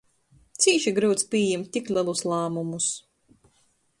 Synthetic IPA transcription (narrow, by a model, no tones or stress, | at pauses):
t̪siːʃiɡɾuwt̪sʲpʲiɛjɛmt̪ʲiklʲɛlˠuslˠaːmumus